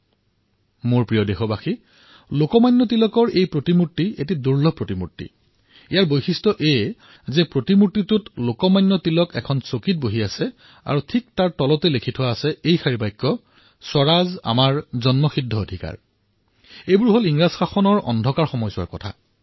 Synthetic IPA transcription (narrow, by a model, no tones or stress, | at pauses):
moɹpɹijɔdexɔbaxi | lokɔmajnːɔtilɔkɔɹejpɹotimutːiḛt̬iduɹlɔpɹotimṵtːḭ | ijaɹbojxistɔʔe | zɛpɹotimutːitʊtlokɔmajnːɔtilɔkɛkʰɔnsokit̚boɦiasɛ | a̰ɹutʰik̚taɹtɔlɔtɛlekʰitʰɔwaːsɛejxaɹibajkːɔ | sɔɹaza̰maɹzɔnmɔxidʱːɔodʱika̰ɹ | ejbuɹɦoliŋɹaz̥xaxɔnɔɹɔ̰ndʱɔkaɹxɔmɔjsa̰ɹkɔ̰tʰa̰